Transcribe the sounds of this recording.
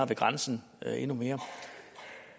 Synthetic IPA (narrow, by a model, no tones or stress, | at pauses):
ɐʋe̝ɡ̥ʁansn̩ | e̝nume̝ːɐ